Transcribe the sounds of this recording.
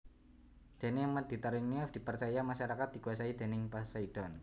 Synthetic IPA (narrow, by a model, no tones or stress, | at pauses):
d̪̥e̤nɪŋmad̪̥it̪aɾuŋniafd̥i̤pərt͡ʃajamaʃaɾakat̪̚d̥ikuasaid̪̥e̤nɪŋpasaid̥ɔn